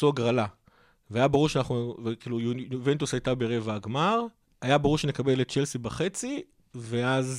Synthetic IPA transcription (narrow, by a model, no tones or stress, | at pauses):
suaɡʁala | veajabeʁuʁʃeanaχnuvekiːlujunvent̪usajt̪abeʁevaːɡmaʁ | ajabeʁuʁʃene̞kabe̞lett͡ʃelsibaχe̞t͡si | ve̞az